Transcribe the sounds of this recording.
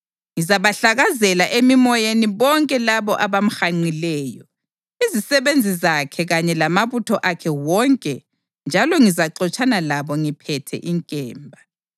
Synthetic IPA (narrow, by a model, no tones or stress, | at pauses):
ŋizaβaɬaɣazɛlaʔemimɔjeniβɔŋkʼɛlaβɔʔaβam̩xaŋ͡ǀilɛːjɔ | izisɛβend͡zʱizakʰɛɣaɲɛlamaβutʰɔʔakʰɛwɔŋkʼɛ | nd͡ʒʱalɔŋizaǃɔt͡ʃʼanalaβɔŋipʰɛtʰɛ̰ʔiŋkʼɛːmbʱa